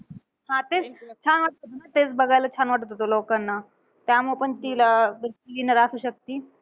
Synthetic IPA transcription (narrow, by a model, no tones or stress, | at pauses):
hãt̪et͡st͡ɕʰanʋaʈ̚t̪ot̪onat̪et͡sbəɡajlat͡ɕʰanʋaʈt̪ot̪olokanːa | t̪jamupəɳt̪ilabɾtilinəɾasuːɕək̚t̪iː